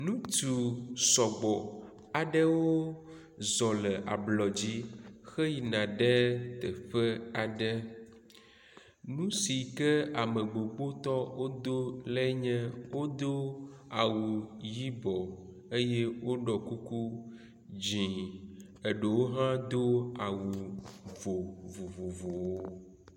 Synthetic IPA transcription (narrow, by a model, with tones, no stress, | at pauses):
nũ˦t̪u˨sɔ˨ɡ͡bɔ˨ | a˨ɖə˦wo˦ | zɔ˨lɛ˨ʔa̰˨blɔ˨d͡ʑi˦xɛ˦ji˨nã˨ɖɛ˦t̪ɛ˨ɸə˦a˨ɖɛ˦ | nũ˦si˨kɛ˦a˨mə̃˨ɡ͡bo˨ɡ͡bo˦t̪ɔ˦wo˦d̪o˦lɛ˦ɲɛ̃˦wo˦d̪o˦a˨wu˨ji˦bɔ˨ | e˦je˦wo˦ɖɔ˨ku˦ku˦ | d͡ʑĩ˨ | e˨ɖe˨wo˦ɦã˦d̪o˦a˨wu˨vo˨vo˨vo˨vo˨wo˦